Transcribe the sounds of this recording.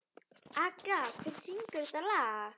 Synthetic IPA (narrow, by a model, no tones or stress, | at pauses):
akakʰɪɾsiŋkʏɾt̪ala